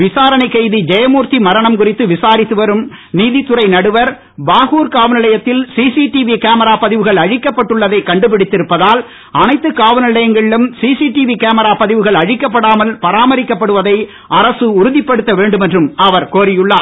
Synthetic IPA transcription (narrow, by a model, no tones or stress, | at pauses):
ʋɪsaːɾɐnɐɪkːɐɪðid͡ʒɐjɐmuːɾt̪imɐɾɐɳɐmkʊrɪt̪ːɯʋɪsaːɾɪt̪ːɯʋɐɾɯm | niːðit̪ːʊɾɐɪnɐɽɯʋɐɾ | baːɣuːɾkaːʋɐnɪɭɐjɐt̪ːɪlsiːsiʈiʋikaːmɐɾaːpɐðɪʋɯɣɐɭɐɻɪkːɐpːɐʈːɯɭːɐðɐɪkɐɳɖɯpɪɽɪt̪ːɪɾɯpːɐðaːl | ɐnɐɪt̪ːɯkaːʋɐnɪlɐjɐŋɡɐɭɪlɯmsiːsiʈiʋikaːmɐɾaːpɐðɪʋɯɣɐɭɐɻɪkːɐpːɐɽaːmɐlpɐɾaːmɐɾɪkːɐpːɐɽɯʋɐðɐɪ | ʔɐɾɐsɯʊɾʊðɪpːɐɽɯt̪ːɐʋeːɳɖɯmɛndrɯmɐʋɐɾkoːɾɪjɯɭːaː